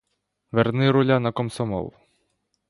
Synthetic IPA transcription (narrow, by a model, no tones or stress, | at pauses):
ʋɛrnɪɾʊlʲanɐkɔmsɔmɔ̰lˠ